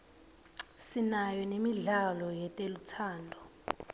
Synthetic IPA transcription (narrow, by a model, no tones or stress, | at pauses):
sinajɔnemiɮalɔjɛtʼelutʰaːndʱɔ